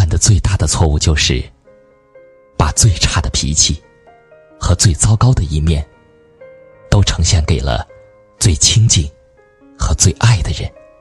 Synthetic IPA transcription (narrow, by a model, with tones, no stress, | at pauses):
a˥˧nd̪ə˩t͡swe˥˧ɪt̪a˥˩d̪ə˩t͡sʰwɔ˥˧u˥˧t͡ɕjo˥˧ʊʂɻ̩˥˩ | pa˨˩t͡swe˥˧ɪʈ͡ʂʰa˥˩d̪ə˩pʰḭ˧˥t͡ɕʰi˥˩ | xɤ˧˥t͡swe˥˩ɪt͡sɑ˥ʊkɑ˥ʊd̪ə˨i˥˧mjɛ˥˩n | t̪o˥ʊʈ͡ʂʰɤ˧˥ŋɕjɛ˥˩nke˨˩ɪlə̰˦ | t͡swe˥˩ɪt͡ɕʰi˥ŋt͡ɕi˥˩ŋ | xɤ˧˥t͡swe˥˧ɪʔa˥˩ɪd̪ə˩ɻə˧˥n